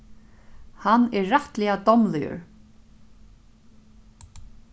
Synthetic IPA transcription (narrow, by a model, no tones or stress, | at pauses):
hanːɛɹːaht̪lɪad̪ɔmlɪjə̰ɹ